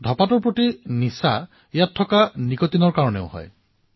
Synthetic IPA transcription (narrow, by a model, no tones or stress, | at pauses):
dʱɔpatɔɹpɹotinisa | jatʰːɔkanikɔtinɔɹkaɹɔneʊhɔ̰j